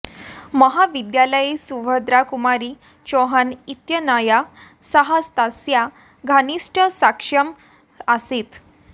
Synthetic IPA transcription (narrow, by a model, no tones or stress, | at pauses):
məɦaʋid̪jaləisuʋəd̪ɾakumaɾi | t͡ɕɔɦanit̪jənaja | səɦast̪asja | ɡʱaniʂʈʰəsakʂəm | əset̪